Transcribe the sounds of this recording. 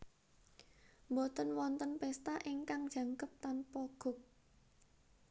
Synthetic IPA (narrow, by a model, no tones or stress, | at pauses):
mbot̪ənwɔnt̪ənpɛst̪aʔeŋkaŋd̥ʒ̥ä̤ŋkəp̚t̪anpɔɡ̥ʊ̤k̚